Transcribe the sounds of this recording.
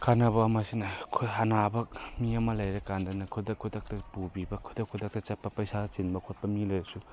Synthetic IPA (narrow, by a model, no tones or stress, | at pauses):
kʰanɐbɐɐmɐsinɐkʰoɦɐnabɐk̚miɐmɐlɐjɾɐkandɐnɐkʰud̪ɐkʰːudɐk̚tɐpubibɐkʰudɐkʰudɐk̚tɐt͡ʃɐt̚pːɐpɐjsat͡ʃinbɐkʰot̚pɐmilɐjɾɐsu